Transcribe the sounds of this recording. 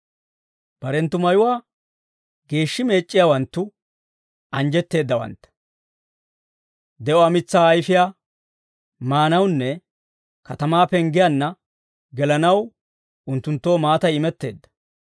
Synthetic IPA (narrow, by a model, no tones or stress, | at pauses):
b̥ɐɾɛnt̪ːʊmɐjʊwaː | ɡe̞ːʃːɪme̞ːt͡ʃʼːɪjaːwɐnt̪ːʊ | ʔɐnd͡ʒɛt̪ːe̞ːd̪ːɐwɐ̰nt̪ːɐ̥ | d̪ɛʔɔɐmɪt͡sːaːjfɪjaː | maːnɐwnːɛ | kɐt̪ɐmaːpɛŋɡɪjɐnːɐ | ɡɛlɐnɐw | ʊnt̪ːʊnt̪ːo̞ːmaːt̪ɐjɪmɛt̪ːe̞ːd̪ːɐ̥